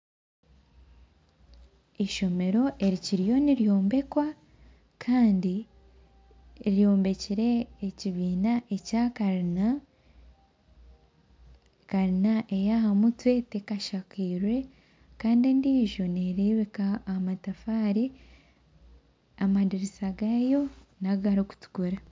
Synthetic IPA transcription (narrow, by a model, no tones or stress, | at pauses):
eʃo̞me̞ɾo̞ʔe̞ɾiciɾijo̞niɾjo̞ːmbe̞kwa | kʰaːndi | jo̞ːmbe̞ciɾe̞ːciβiːnaʔe̞caka | kaɾinaʔe̞jahamutwe̞tekaʃakiːɾwe̞ | kaːndiendiːʒo̞neɾiβikaːmatafaːɾi | amadiɾisaɡajo̞naɡaɾiku̥tu̥kuɾa